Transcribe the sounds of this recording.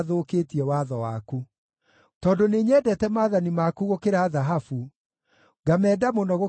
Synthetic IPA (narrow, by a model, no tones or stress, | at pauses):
ðoːketiɛwaðɔwaku | tɔːndoneɲɛːdɛtɛmaːðanimakuɣokeɾaːðaɦafu | ɡamɛːdamonɔɣo